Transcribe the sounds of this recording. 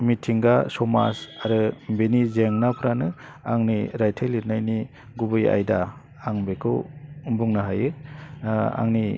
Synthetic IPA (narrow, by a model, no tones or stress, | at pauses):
mitʰiŋɡasɔma̰saɾɯbenizeŋnapʰɾanɯ | aŋniɾajtʰelːiɾnajni | ɡubɯja̰jdaː | ŋbekʰɯwbuŋnaɦajɯ | a̰ŋni